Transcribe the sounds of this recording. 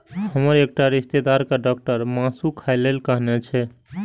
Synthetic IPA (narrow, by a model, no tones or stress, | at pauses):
həməɾek̚ʈaɾist̪ed̪aɾkaɖɔk̚ʈəɾmãsukʰaelelkəɦnɛt͡ʃʰɛ